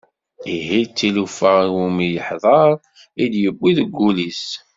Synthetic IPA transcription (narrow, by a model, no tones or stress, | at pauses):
iɦit͡sːilufəʁiwumijəħðˤɑɾˤ | id̪jəbːiðəɡːulis